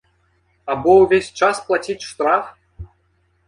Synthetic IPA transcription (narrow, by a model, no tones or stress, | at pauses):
abɔwvʲesʲt͡ʂasplˠatʲitʲʂt̪raf